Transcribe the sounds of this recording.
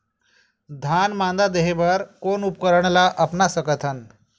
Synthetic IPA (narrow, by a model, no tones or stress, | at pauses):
d̪ʱanmand̪ad̪eɦeʋəɾkonupkəɾəɳ̃laʔəpnasəkət̪ʰən